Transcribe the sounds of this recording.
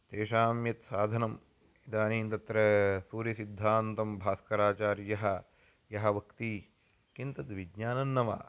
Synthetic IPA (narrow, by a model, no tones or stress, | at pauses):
t̪eːʂaːmjɐt̪saːd̪ʱɐnɐm | id̪aːniːnt̪ɐt̪ɾɐsuːɾjɐsid̪ʱːaːnt̪ɐmbʱaːskɐɾaːt͡ʃaːɾjɐɦɐ | jɐɦɐ̆ʋɐkt̪i | kint̪ɐt̪ʋiɡɲaːnɐnːɐʋa̰ː